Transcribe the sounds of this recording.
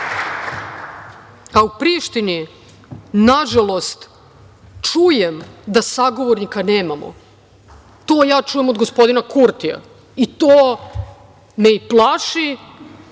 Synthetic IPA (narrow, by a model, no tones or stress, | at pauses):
aupɾiʃt̪ini | naʒalˠo̞st̪ | t͡ʂujemd̪asaɡo̞ʋo̞ɾnikaneːmamo̰ | t̪o̞ːjaːt͡ʃuːjemod̪ɡospo̞d̪inakuɾt̪ija̰ | it̪oː | neiplˠaʃi